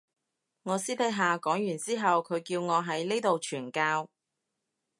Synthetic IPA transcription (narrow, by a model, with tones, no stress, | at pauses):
ŋɔː˨˧siː˥p̪ʰe˨˥jɦaː˨kɔː˨˥ŋjyː˨˩nt͡siː˥ɦɐ˨wkʰɵ˨˧ɥkiː˧wŋɔː˨˧ɦɐ˨˥jne˥t̪o˨wt͡ʃʰyː˨˩nkaː˧w